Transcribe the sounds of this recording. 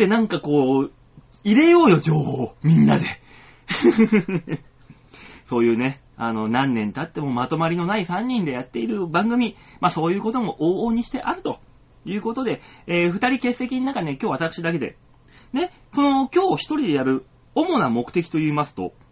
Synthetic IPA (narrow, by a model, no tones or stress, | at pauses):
enãŋkako̞ː | iɾe̞jo̞ːjo̞d͡ʑo̞ːhoːmʲĩnːa̰d̪e̞ | so̞ːjɯ̟ːne̞ | a̰no̞nãnːẽ̞nt̪at̪ːe̞mo̞mat̪o̞maɾʲino̞naisãɲ̟ːĩnd̪e̞jat̪ːe̞iɾɯ̟bãŋɡɯ̟mʲimaso̞ːjɯ̟ːko̞t̪o̞mo̞ʔoːoːɲ̟iɕi̥t̪e̞ʔaɾɯ̟t̪o̞ | jɯ̟ːko̞t̪o̞d̪e̞eːɸɯ̟t̪aɾʲike̞sːe̞kʲiɲinakaekʲoːβat̪akɯ̟̥ɕid̪ake̞d̪e̞̰ | ne̞ | so̞no̞kʲo̞ːçi̥t̪o̞ɾʲid̪e̞jaɾɯ̟ | o̞mo̞namo̞kɯ̟̥t̪e̞kʲi̥t̪oɯːmasɨ̥t̪o̞̰